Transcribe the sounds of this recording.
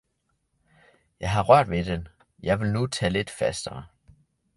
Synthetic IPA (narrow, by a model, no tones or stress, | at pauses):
jɑ̈ɪɦɑ̈ʁœɐ̰d̥ʋe̝d̥en | jɑ̈ɪʋe̝lnut͡sʰɛ̰ːle̝d̥fæsd̥ɐ